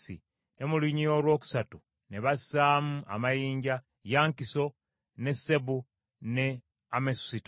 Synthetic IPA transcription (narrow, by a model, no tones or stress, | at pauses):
ḭ | ne̞muliɲio̞ːlwo̞ːku̥satu | neβassaːmua̰majiːɲɟa | jaːŋkiso̞ | ne̞se̞βu | ne̞ | amesito